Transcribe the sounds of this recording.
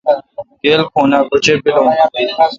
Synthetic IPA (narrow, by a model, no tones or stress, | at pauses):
ɡeːlkʰoːnaːbʊt͡ʃeːbɪlõː